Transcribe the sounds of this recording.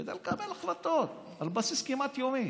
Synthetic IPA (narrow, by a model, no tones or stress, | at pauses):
ed̪ɐlkabelxlɐt̪ːot̪ | ɐlbɐsiskimat̪joːme